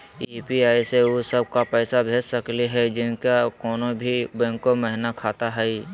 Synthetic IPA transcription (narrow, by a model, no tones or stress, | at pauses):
iːpiaːiseosəb̚kapɛːsabʱeːd͡ʒsɐkliɦɛd͡ʒɪnkakɔːnobʱibɛ̃ːŋkoməɦɪnakʰaːt̪aɦɛi